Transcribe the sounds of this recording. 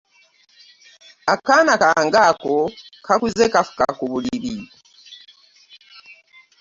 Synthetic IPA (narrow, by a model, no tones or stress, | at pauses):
akanakaŋɡakokʰakuzekafu̥ka̰kuβuliiβi